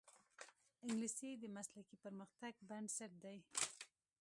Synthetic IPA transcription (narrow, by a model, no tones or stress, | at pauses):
ɪŋɡlised̪əmaslakipəɾməxt̪aɡbaɳɖsaʈ̪̚d̪aj